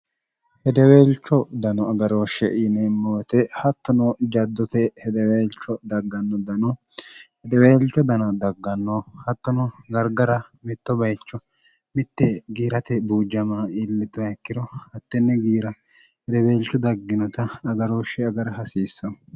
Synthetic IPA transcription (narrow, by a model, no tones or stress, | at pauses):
hɛd̪ɛweːlt͡ʃːɔd̪ɐnɔɐɡɐɾo̞ːʃːɛʔinɛmːoːt̪ɛhɐt̪ːɔnɔd͡ʒɐd̪ːɔt̪ɛhɛd̪ɛweːlt͡ʃːɔd̪ɐɡːɐnːɔd̪ɐnɔ | hɛd̪ɛweːlt͡ʃːɔd̪ɐnɐd̪ɐɡːɐnːɔhɐt̪ːɔnɔɡɐɾɡɐɾɐmɪt̪ːɔbɐjt͡ʃːɔ | mɪt̪ːɛɡiːɾɐt̪ɛbuːd͡ʒːɐmaɪlːɪt̪ːɔɛkːɪɾɔhɐt̪ːɛnːɛɡiːɾɐ | hɛd̪ɛweːlt͡ʃːɔd̪ɐɡːɪnɔt̪ɐɐɡɐɾo̞ːʃɛɐɡɐɾɐɦɐsiːsːɐ